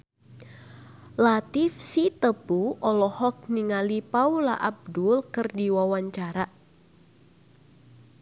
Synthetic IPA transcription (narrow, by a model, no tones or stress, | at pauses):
lat̪ɪfsit̪əb̥uɔlɔhɔk̚niŋalipaula̰ʔab̚dʊlkərdiwawaɲt͡ʃaɾa